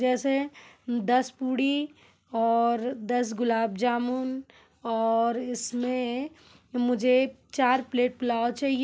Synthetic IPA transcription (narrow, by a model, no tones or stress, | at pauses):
d͡ʒɛːsed̪ɐspuːɽi | ɔːɾd̪ɐs̬ɡʊlaːb̚d͡ʒaːmʊn | ɔːɾɪsmẽ | mʊd͡ʒʱet͡ʃaːɾpleːʈ̚pɪlaːot͡ʃaːɦie